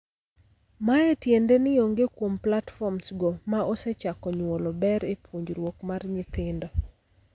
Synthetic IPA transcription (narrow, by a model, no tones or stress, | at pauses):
maɛtjendenɪoŋɡekwomplatfɔmsɡomaɔsɛt͡ʃakɔɲwolɔbɛɾepʰwoɲd͡ʒɾwokmarɲɪt̪ɪndɔ